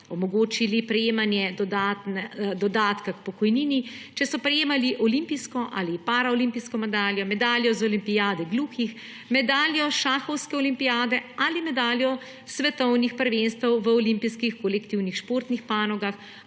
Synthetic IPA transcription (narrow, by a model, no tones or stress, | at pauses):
ɔmɔɡoːt͡ʃilipɾɛjeːmanjɛd̪ɔd̪at̪nɛd̪ɔd̪aːt̪kakpɔkɔjniːnit͡ʃɛsɔpɾɛjeːmaliʔɔlimpiskɔʔa̰lipaːɾaɔlimpiskɔmɛd̪aːljɔmɛd̪aːljɔzɔlimpijaːd̪ɛɡluːxix | mɛd̪aːljɔʃaːxɔwskɛɔlimpijaːd̪ɛalimɛd̪aːljɔ | sʋɛt̪ɔwnixpəɾʋenst̪ʋɛwʋəɔlimpiskixkɔlɛkt̪iwnixʃpoːɾt̪nixpaːnɔɡax